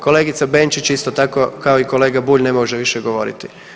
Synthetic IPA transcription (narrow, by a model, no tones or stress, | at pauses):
ko̞leːɡit̪sabe̞ːnt͡ʃit͡ɕist̪ot̪ako̞kao̞iko̞le̞ːɡabuːʎne̞moʒeʋiʃeɡo̞ʋo̞̰ɾḭt̪i